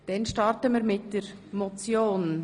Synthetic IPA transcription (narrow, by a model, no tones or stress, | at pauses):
d̥ɛnʃtɑrtəmiːɾmɪt̚d̥ɛɾmot͡sjoːn